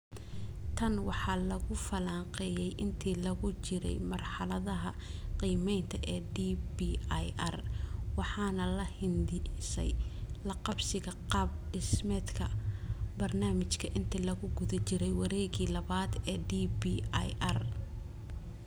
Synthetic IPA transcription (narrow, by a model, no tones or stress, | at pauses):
t̪ʰɐnwɑħɑːlɐɣʊfɐlaːŋqɛjɛjʔɪnt̪ʰiːlɐɣʊt͡ʃɪɾɛ̰jmɐrħɑlɐðɐɦɐ | qiːmɛjnt̪ʰɐʔɛːɖibiːjʔɐrwɑħɑːnɐlɐhɪnd̪ɪsɛ̰jlɐqɑbsɪɣɐqɑːb̚ɖɪsmɛːd̪kʰɐbɐrnaːmɪt͡ʃkʰɐʔɪnt̪ʰiːlɐɣʊɡʊðɐt͡ʃɪɾɛjwɑɾɛːɣiːlɐβaːd̪ɛːɖiːbiajʔɐr